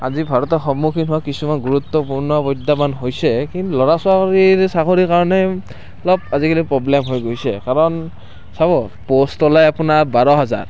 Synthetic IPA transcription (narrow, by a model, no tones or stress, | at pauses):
a̰zibʱaɹɔtɔxɔmukʰinɦʊwakisumanɡuɹut̪ːɔpuɹnɔbɔd̪ːamanɦojsɛkint̪ulɔɹasʊakɹiɹsakoɹikaɹɔnɛ | lɔb̚azikʰalipɹɔblɛmɦojɡojsɛkaɹɔn | saβɔpostɔlajapunaɹbaɹɔɦaza̰ɹ